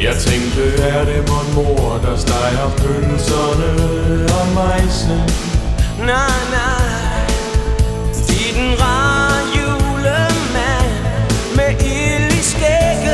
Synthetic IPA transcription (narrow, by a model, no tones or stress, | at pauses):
jɑ̈ɪt͡sʰeŋd̥əædemɔnmo̝ɐd̥ɑsd̥ɑ̈ɪɐføn̩sʌnəɒmɑɪsən | nana | id̥n̩ʁɑjuləmæn | meʔilisɡ̥eɡ̥